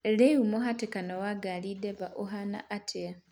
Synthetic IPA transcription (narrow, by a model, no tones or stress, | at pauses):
leumoɦatekanowaɡalideβaʔoɦana̰ʔatʰe